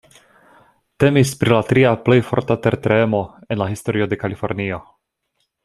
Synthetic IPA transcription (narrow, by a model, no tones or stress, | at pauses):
te̞mispɾilatɾiaple̞jfo̞̰ɾtateɾtɾemo̞e̞nlahisto̞ɾio̞de̞kalifo̞ɾnio̞